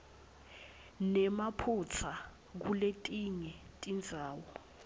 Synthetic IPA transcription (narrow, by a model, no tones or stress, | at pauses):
nɛmapʰut͡sʰa | k̬uletʼiŋɛtʼind͡zʱaːwɔ